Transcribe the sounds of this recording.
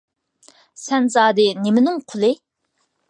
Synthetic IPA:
sɛnzɑːd̪ɨnemɪnɪŋqʰʊlˠɨ

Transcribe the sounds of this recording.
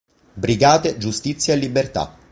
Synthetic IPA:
bɾiɡaːt̪ed͡ʒust̪it̪sːjaelːibːert̪a̰

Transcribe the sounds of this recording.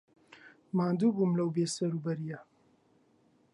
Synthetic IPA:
maːnd̪uːbumlɐwbeːsɐɾuːbɐɾijɐ

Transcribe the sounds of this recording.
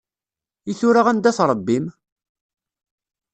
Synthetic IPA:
iθʊɾaʁænd̪æθɾˤəbːim

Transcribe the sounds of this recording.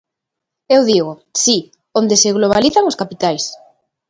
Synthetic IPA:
ewðiɣosi | ond̪eseɣloβ̞aliθaŋoskapit̪ajs

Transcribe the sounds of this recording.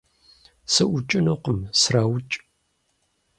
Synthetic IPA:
sɨʔʷʊt͡ʃʼɪnoːqəmsraːwʊt͡ʃʼ

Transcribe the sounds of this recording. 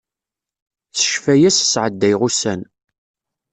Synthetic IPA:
t͡sə̥ʃfæjæssʕəd̪ːæjʁusæn

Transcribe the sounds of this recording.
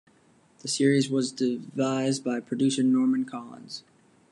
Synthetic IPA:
ðɨsɪɹizwʌzdɪvaɪzbaɪpʰɹ̥ɨdʉsɪ̃ŋnɔɹmɨ̃nkʰɑlˠə̰̃nz̥

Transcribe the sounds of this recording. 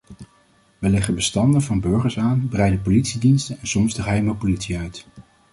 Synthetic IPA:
ʋəlɛχəbəstɑndəvɑnbɵɹχəɹsaːnbrɛjdəpolitsidinstənɛnsɔmzdəχɦɛjməpolitsiœɥt

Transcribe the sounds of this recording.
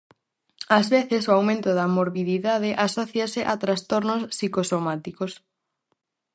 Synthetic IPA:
azβeθɪsoawmẽnt̪ʊðɐmoɾβiðiðaðeʔasɔθjasɪʔat̪ɾast̪oɾnosːikosomat̪ikos

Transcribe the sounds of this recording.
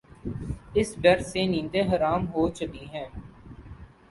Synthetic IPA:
ɪsɖəɾseːnĩːnd̪eːɦəɾaːmɦoːt͡ʃʊkiːɦɛ̃ː

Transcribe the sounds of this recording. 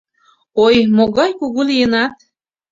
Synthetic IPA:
ojmoɣɑjkuɣulijənɑt̪

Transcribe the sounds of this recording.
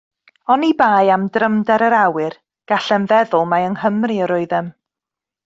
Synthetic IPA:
ɔnibaːjamdrəmdɛɾəɾawɨr | ɡ̥aɬɛnvɛðʊlˠmaəŋhəmriəɾʊɨðɛm

